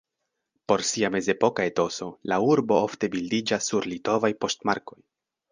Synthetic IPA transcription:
po̞ɾsiame̞ze̞po̞kae̞to̞so̞lauɾbo̞ofte̞bildid͡ʒasːuɾlito̞vajpo̞stmaɾko̞j

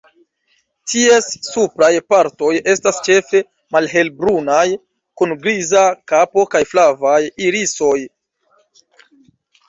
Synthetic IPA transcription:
tʰie̞sːupɾajpaɾto̞je̞stast͡ʃe̞fe̞ | malɦe̞lbɾunaj | kunɡɾizakapo̞kajflavajiɾiso̞j

